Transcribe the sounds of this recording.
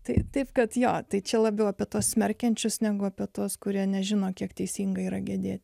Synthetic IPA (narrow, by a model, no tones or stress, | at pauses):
t̪ɐɪt̪ɐɪpkɐt̪joːt̪ɐɪt͡ʃʲɛlˠɑːbʲjɛʊɐpʲiɛt̪uɔssʲmʲɛrʲkʲɛnʲt͡ʃʲʊsnʲæːɡʊɐpʲɛt̪uɔskʊɾʲiɛnʲɛʒʲɪnoːkʲiɛkt̪ʲɛɪsʲiːŋɡɐiːɾɐɡʲɛd̪ʲeːt̪ʲ